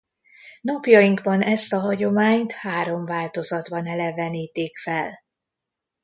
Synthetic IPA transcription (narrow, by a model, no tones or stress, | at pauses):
nɒpjɒjiŋɡbɒnɛst̪ɒɦɒɟo̞maːɲt̪haːɾo̞mvaːlt̪o̞zɒd̪bɒnɛlɛvɛniːt̪eːkfɛl